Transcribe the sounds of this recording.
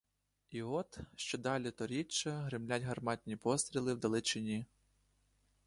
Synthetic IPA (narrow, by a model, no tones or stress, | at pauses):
iɔt̪ʃt͡ʃɔd̪ɑlʲit̪ɔɾʲit͡ʃːɐɦɾɪmlʲatʲɦɐrmɑtʲnʲipɔst̪ɾʲilˠɪwd̪ɐlˠɪt͡ʃɪnʲi